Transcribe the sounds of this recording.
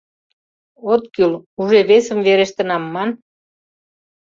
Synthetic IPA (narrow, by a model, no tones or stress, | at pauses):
ot̪kyluʒeβesəmveɾeʃt̪ə̆nɑmːɑn